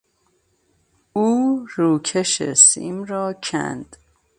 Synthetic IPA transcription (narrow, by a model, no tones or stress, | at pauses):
uːɾuːcʰeʃḛsḭmɾɒːcʰæ̰nd̪̥